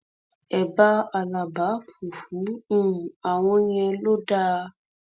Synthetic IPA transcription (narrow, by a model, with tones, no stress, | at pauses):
ɛ˨ba˧a˨la˨ba˨˦fu˨fũ˨˦ũ˦˨a˨w̃ɔ̃˧j̃ɛ̃˧lo˦da˦˧